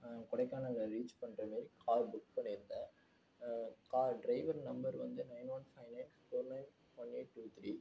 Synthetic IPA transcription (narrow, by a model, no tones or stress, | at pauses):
kʊɽɐɪkːaːnɐɐːŋɡɐɾiːt͡ʃpɐɳːrɐmeːɾkʰaːɾbʊkpɐɳɪɾɯnd̪ɐ | kaːɾɖɾɐɪʋɐɾnɐmbɐɾʋɐnd̪ɯnɐɪnʋɐnfɐɪnɐɪnsfoːɾnɐɪn | fɔneːʈːuːt̪ɾi